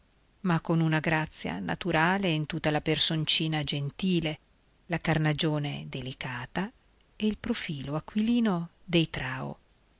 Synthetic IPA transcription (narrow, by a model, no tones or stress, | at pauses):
makːonunaɡɾat̪sːja̰na̰t̪uɾaːleint̪ut̪ːalapersont͡ʃiːnad͡ʒent̪iːle | lakarnad͡ʒoːned̪elikaːt̪a | eilpɾofiːloakːwiliːnod̪ejt̪ɾaːo̰